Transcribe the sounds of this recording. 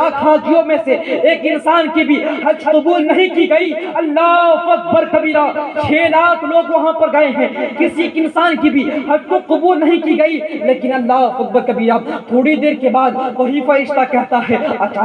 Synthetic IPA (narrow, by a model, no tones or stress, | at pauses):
aːk̪ʰɦaːd͡ʒ̪ijomẽseeːkɪnsaːnkibʱiɦɐd͡ʒqʊbuːlnɐɦĩkiɡɐiɐlːapɐt̪̚bɐɾkɐbiːɾaːbt͡ʃʰeːlaːt̪ʰloːɡʋɐɦãpɐɾɡɐeɦɛ̃kɪsikɪnsaːnkibʱihɐd͡ʒkoqʊbuːlnɐɦĩkiɡɐileːkɪnɐlːaːʊt̪̚bɐɾkɐbiːɾaːb̚t̪ʰoːɽid̪eːɾkebaːd̪̚ʋɐɦifɐɾɪʃt̪akɛɦt̪aɦɛɐʃʰ